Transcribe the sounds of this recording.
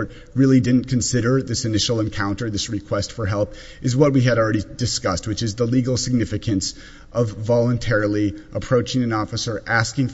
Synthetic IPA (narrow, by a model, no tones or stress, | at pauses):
t̚ | ɹɪlˠidɪdⁿn̩kʰɨ̃n̩sɪɾə˞ðɪsɨnɪʃl̩ˠə̃nkʰãʊ̃ntə˞ðɪsɹɨkʰw̥ɛstfə˞ɦɛlˠp | ʔɨzwʌt̚wiɨɾl̩ˠɹɛɾidɨskʌst̚wɨt͡ʃɨzðəliɡl̩ˠsɨɡ̚nɪfɨkʰɨ̃ns | ʔʌvːɑlˠə̃ntʰɛɹl̩ˠiʔəpʰɹ̥oʊt͡ʃɪ̃ŋɨ̃nɔfɨsə˞ʔæskɪ̃ŋ